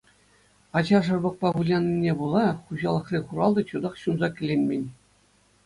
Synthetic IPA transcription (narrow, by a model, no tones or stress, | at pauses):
ɑd͡ʑɑʐɤ̆rbɤ̆k̚pɑbulʲɑnʲːinʲebulˠɑχuʑɑlˠɤ̆χrʲiχuɾɑlˠd̪ɤ̆t͡ɕud̪ɑχɕunzɑkʲɘ̆lʲenʲmʲenʲ